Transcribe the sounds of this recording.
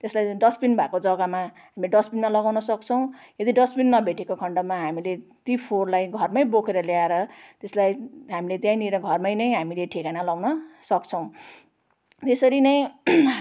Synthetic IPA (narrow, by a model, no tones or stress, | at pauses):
t̪eslajɖʌspinbʱakod͡zʌɡamaɦamilɖʌspinmalʌɡawnʌsʌk̚t͡sʰʌw̃ | ed̪iɖʌspinːʌbʱeʈekokʰʌɳɖʌmaɦamilet̪ipʰorlajɡʱʌrmʌjbokʰeɾʌljaeɾʌt̪eslajɦamilet̪jãjniɾʌɡʱʌrmʌjnʌjɦamileʈʰekanalawnʌsʌkt͡sʰʌw̃ | t̪esʌɾinʌj̃